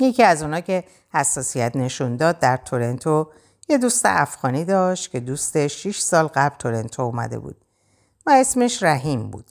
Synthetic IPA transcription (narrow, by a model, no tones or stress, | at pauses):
je̞ciæzuːnɒːcʰe̞ | hæsːɒːsijæt̪ʰne̞ʃund̪ɒːd̪̚ːæɾt̪ʰoɾe̞nt̪ʰo | je̞d̪uːst̪ḛʔæfɣɒːniːd̪ɒːʃt̪cʰe̞d̪uːst̪e̞ʃːiʃsɒːlɣæblt̪ʰo̞ɾe̞nt̪ʰoumæ̰d̪e̞̰bṵːd̪̥̚ | væe̞sme̞ʃɾæɦiːmbṵːd̪̥